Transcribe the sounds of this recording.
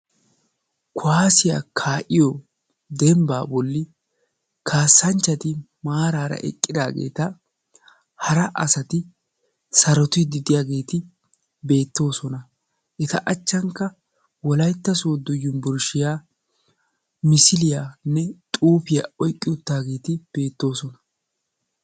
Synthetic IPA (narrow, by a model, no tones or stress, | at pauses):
kʰʊaːsɪja̰ːkʰaːʔɪjɔ | d̪ɛmba̰ːbɔlːɪ | kʰaːsːɐnt͡ʃːɐt̪ɪ | maːɾaːɾɐ̰ʔɛ̰kʼːɪd̪a̰ːɡḛːt̪ɐ | hɐɾɐʔɐsɐt̪ɪ | sɐɾɔt̪ɪd̪ɪd̪ɪjaːɡe̞ːt̪ɪ | be̞ːt̪ːo̞ːsɔnɐ | ʔɛt̪ɐʔɐt͡ʃːɐŋkːɐ | wɔlɐjt̪ːɐsoːd̪ɔjːʊnbʊɾʃɪjaː | mɪsɪlɪjaːnːɛt̪ʼuːpɪja̰ɔjkʼːɪʊt̪ːaːɡe̞ːt̪ɪb̥e̞ːt̪ːo̞ːsɔnɐ̥